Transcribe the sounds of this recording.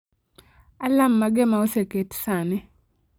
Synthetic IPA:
alamːaɡɛmaoseketsanɛ

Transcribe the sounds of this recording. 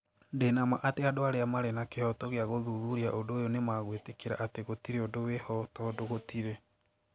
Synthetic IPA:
ndenama̰ʔateadoaɾeamaɾenakehɔtɔɣeaɣoðuðuɾiaʔondoːjonemaɣwetekeɾa̰ʔateɣotiɾeondowehɔtɔdoɣotiɾe

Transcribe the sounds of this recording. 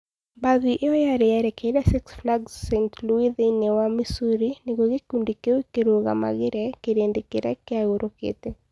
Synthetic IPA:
baðiʔeɔjaɾɛɛɾɛkedasɪksflaɡssɛntluiðenewamisuɾineɡoɡekundikewekeɾoɣa̰ma̰ɣɪɾɛkeɾendekeɾɛkɪaɣoɾokḛte

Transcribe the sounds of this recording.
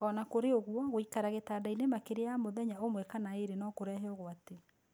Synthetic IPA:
ɔnakoɾeoɣwɔɣoikaɾaɣetaːdainemakeɾejamoðɛɲaomwɛkanaeɾenɔkoɾɛːɦɛoɣwate

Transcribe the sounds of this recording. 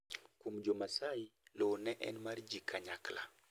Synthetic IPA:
kumd͡ʒomasailɔnɛʔɛ̰nmaɾd͡ʒikʰaɲakla̰

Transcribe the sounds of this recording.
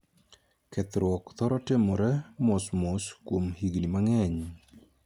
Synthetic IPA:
kɛt̪ɾwɔkt̪ɔɾɔtɪmɔɾɛmɔsmoskwomhiɡnimaŋɛɲ

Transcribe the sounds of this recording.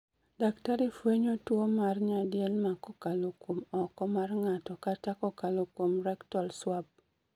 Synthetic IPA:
daktaɾifweɲotwomarɲadjɛlmakɔkalokwomɔkɔmarŋatɔkatakɔkalokwomɾɛktɔlswab̚

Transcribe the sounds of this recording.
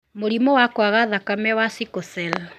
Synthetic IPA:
moɾimɔwakwaɣaðakamɛwasikɔsɛl

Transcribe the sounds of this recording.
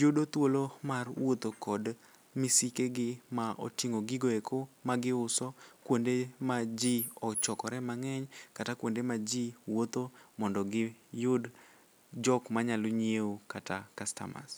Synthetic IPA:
jʊdot̪wolomarwot̪okɔd | misikeɡɪmaʔo̰tiŋoɡɪɡoekʰomaɡɪʊsɔkwondemad͡ʒiɔt͡ʃɔkɔɾɛmaŋɛɲkatakwondemad͡ʒiwot̪omɔndɔɡɪjʊd | d͡ʒɔkmaɲaloɲeokatakasta̰ma̰s

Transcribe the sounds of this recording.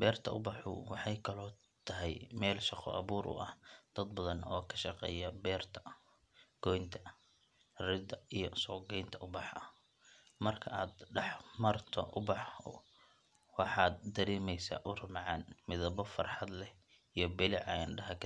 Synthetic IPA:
bɛːrt̪ʰɐʔʊbɑħʊ̰wɑħɑjkʰɐlɔː | t̪ʰɐɦɛjmɛːlʃɑqɔ̰ʔɐ̰βuːɾʔʊ̰ʔɐ̰hd̪̥ɐd̪bɐðɐnɔːkʰɐ̥ʃɑqɛ̰ːjɐbɛːrt̪ʰɐ̥ | ɡ̥ɔjnt̪ʰɐ̥ | rɪd̪ɐijɔsɔːɡɛjnt̪ʰɐʔʊbɑħɐ | mɐrkʰɐʔaːd̪ɖɑħmɐrt̪ʰɐ̰ʔʊbɑħ | wɑħɑːd̪d̪ɐɾɛːmɛjsa̰ːʔʊrʊmʕɑːnmɪðɐβɔfɐrħɑd̪lɛ | ijɞbɪlɪʕɑ̰ɪnɖɐɦɐkʰ

